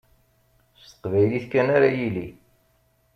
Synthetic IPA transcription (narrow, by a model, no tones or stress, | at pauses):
st̪ə̥qvæjliθkːænaɾajili